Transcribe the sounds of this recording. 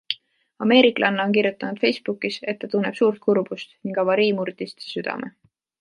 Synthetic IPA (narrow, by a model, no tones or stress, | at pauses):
ɑme̞ːɾikˑlʔɑnːɑonk̬iɾjut̪ːˑɑnud̪̥fe̞jsb̥ukːˑise̞t̪ːɑt̪unːe̞b̥suːrt̪̚kurb̥ust̪niŋkɑvɑɾiːmuɾd̪̥ist̪syd̪̥ɑ̰mʔe̞̰